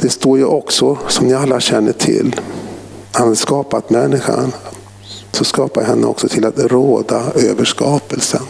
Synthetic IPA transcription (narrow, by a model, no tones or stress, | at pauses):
d̪̥ɛst̪oːɾjɵʔɔksɔsɔmnɪalːaɕɛnːəʈʰɪ̰lː | hanad̪skɑːpat̪mɛnːɪɧa̰n | sɔskɑːpaɦɛnːə̰ɔ̰ksɔt̪ʰɪlat̪ɾoːd̪aøːvəʂkɑːpəlsən